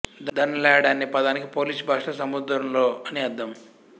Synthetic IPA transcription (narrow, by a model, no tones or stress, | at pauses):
d̪d̪ɐnːɐlɛːjɐɽaːnːipɐd̪aːnikipoːliːsbʱaːʂʈɐsɐmud̪ɾɐmlo̞ːɐniɐd̪ːɐm